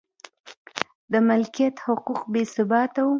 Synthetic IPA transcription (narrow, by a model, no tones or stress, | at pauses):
d̪əmɪlkijat̪hʊquqbesɪbɑt̪awu